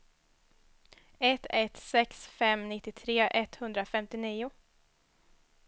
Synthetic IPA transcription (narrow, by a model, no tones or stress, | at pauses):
ɛt̪ːɛt̪sɛksfɛmnɪt̪ːɪt̪ʰɾeːʔɛt̪hɵnd̪ɾafɛmt̪ɪniːʊ